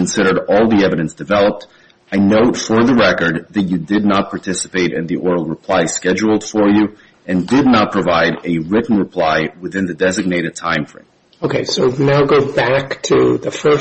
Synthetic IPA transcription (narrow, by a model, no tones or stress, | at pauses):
n̩sɪɾə˞ɾɔlˠðiɛvɨɾɨ̃nsd̥ɨvɛlˠəp̚t | aɪnoʊtfə˞ðəɹɛkə˞d̪ðɨt͡ʃɨdɨdⁿnət̚pʰɑɹtʰɪsə̥peɪɾɨ̰̃nðiʔɔɹl̩ˠɹəpʰl̥aɪskɛd͡ʒul̩ˠd̥fə˞jɨ | ɨ̃ndɪdⁿnət̚pʰɹ̥əvaɪɾɨɹɪʔn̩ɹəpʰl̥aɪwɨθɪ̃nðɨdɛzɨɡ̚neɪɾɨd̚tʰãɪ̃ɱfɹḛ̃ɪm | oʊkʰeɪsoʊnaʊɡoʊbæktʰɨðɨfɜ˞